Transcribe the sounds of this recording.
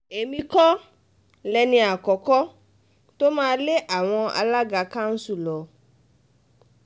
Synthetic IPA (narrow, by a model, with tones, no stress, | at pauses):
e˨mĩ˧kɔ˦ | lɛ˨nĩ˧a˨kɔ˨kɔ˦ | t̪o˦mãː˦le˦ʔa˨w̃ɔ̃˧a̰˨la˦ɡa˨ka˦ŋ̩˦su˦lɔ˨